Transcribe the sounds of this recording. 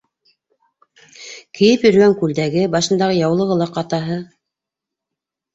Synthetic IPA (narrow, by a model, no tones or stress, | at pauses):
kɘ̆jɘpjɵ̆ɾ̆ɡæŋkʉld̪æɡɘbɑʃɤ̆nd̪ɑʁɤjɑwlˠɤ̆ʁɤ̆lˠɑqɑt̪ɑɦɤ